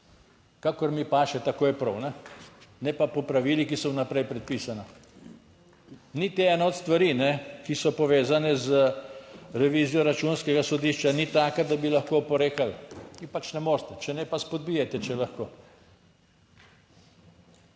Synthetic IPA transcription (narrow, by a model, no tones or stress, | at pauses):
kakɔɾmipaːʃɛt̪akoːjɛpɾɔwnɛnɛpapɔpɾaʋiːlikisɔwnapɾɛjpɾɛt̪̚piːsana | nit̪eɛnaɔt̪st̪ʋaɾiːnɛkisɔpɔʋeːzanɛzə | ɾɛʋiːzijɔɾat͡ʃuːnskɛɡasɔd̪iʃt͡ʃanit̪aːkad̪abilaxkoːpɔɾeːkalʋipat͡ʃnɛmoːɾst̪ɛt͡ʃɛnɛpaspɔd̪̚biːjɛt̪ɛt͡ʃɛlaxkoː